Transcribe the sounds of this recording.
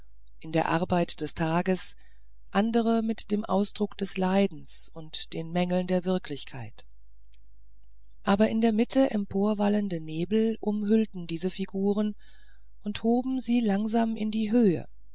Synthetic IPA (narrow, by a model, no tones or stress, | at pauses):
ʔɪndeːɐʔaɐbaɪtd̥ɛstʰaːɡəs | ʔandəʁ̞əmɪtd̥eːmʔa̰ʊsd̥ʁʊkd̥ɛslaɪdn̩sʊntd̥eːnmɛŋl̩ndeːɐvɪɐklɪçkʰaɪt | ʔaːbɐʔɪndeːɐmɪtʰəʔɛmpʰoːɐvaləndəneːbl̩ʔʊmɦʏltn̩diːzəfiɡuːʁ̞ən | ʔʊnthoːbm̩ziːlaŋzaːmɪ̰ndiːɦøːə̰